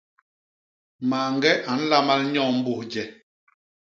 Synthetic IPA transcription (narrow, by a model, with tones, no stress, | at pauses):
maː˨ŋɡɛ˦ʔa˨˦n̩˦la˦ma˦lɲɔ̃˦˨m̩˦bu˦˨hd͡ʒɛ˨